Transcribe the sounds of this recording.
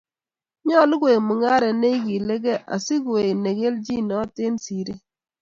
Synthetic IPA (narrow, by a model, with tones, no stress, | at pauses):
ɲɔ˦lɪ˦ɡwe˨mu˨ŋa˦ɾɛ˨ne˦i˦ki˨le˦ɡɛ˦ʔa̰˨si˦ke˨kne˨ɡe˦ld͡ʒi˦nɔ˦te˦nsi˨ɾe˦